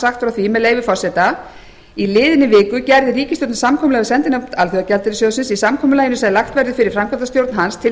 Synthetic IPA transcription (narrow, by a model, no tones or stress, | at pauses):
saxt̪ɾaθʰvimɛðlejvɪfɔr̥sɛt̪a | ilɪːðɪnːɪvɪːkʏcɛɾðɪɾiːcɪst̪owt̪samkʰɔmʏlɛɣasɛnt̪ɪnat̪ʰalθœɣacɛlt̪ɪɾɪsowðsɪnsisamkʰɔːmʏlajɪnʏsaðlaxt̪vɛɾðʏfɪɾɪɾ̥fɾamkʰat̪ast̪jowɾt̪nɦanst̪ʰɪ